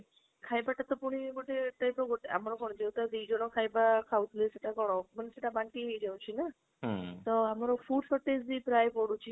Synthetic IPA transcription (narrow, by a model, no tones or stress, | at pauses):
kʰajbaʈat̪ɔpuɽ̃iboʈet̪əjpɾɔɡɔʈa̰mɔɾɔkɔɽ̃ɔd͡ʒewt̪ad̪id͡ʒɔɽ̃ɔkʰajbakʰaut̪leseʈakɔɽ̃ɔmənseʈabaɳʈiɦejd͡ʒaw̃t͡ɕʰina | t̪ɔamɾɔfuːʈsɔʈːesd̪ipɾajpɔɽut͡ʃʰi